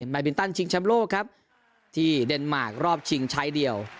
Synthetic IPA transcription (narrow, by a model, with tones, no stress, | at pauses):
nma˧˩bi˧˦nt̪a˥˩nt͡ɕʰi˧ŋt͡ɕʰɛ˧˥mloː˥˩kʰːa˦˥p̚ | t̪ʰiː˥˩de˧nmaː˨˩k̚ɾɔː˥˩p̚t͡ɕʰi˧ŋt͡ɕʰaː˨˦˥jdi˧əw